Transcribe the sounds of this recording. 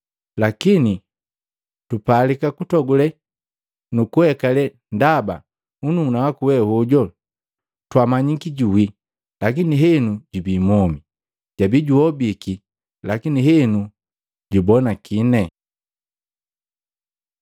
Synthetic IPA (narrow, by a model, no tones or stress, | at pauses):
lakini | tupalikakutɔɡulɛ | nukuhɛkalɛ | ndaba̰ | ununawakuwɛhuɟɔ | twamaɲikiɟuwi | lakiniɦɛnuɟubiːmɔmi | ɟabiɟuɔbiki | lakiniɦɛnu | ɟubɔnakinɛ